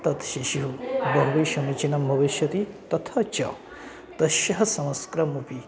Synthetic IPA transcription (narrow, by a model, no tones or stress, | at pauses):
t̪ɐt̪ʃiʃiɦubɐɦuʋiʃɐmit͡ʃinɐmbʱɐʋiʃjɐt̪it̪ɐt̪ʰɐt͡ʃɐ̰ | t̪ɐʃjɐɦɐsɐmɐskɾɐmupi